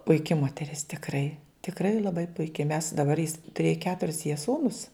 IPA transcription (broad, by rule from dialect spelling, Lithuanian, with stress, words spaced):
pʊɪˈkʲɪ moːtʲɛˈrʲɪs tʲɪkˈrɐɪ tʲɪkˈrɐɪ lˠɐˈbɐɪ pʊɪˈkʲɪ mʲɛs dɐˈbɐr jɪs tʊˈrʲeːjɛ ˈkʲæːtʊrʲɪs jiɛ ˈsuːnʊs